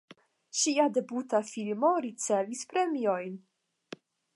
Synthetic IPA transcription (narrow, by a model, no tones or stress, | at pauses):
ʃiade̞butafilmoɾit͡sevispɾemiojn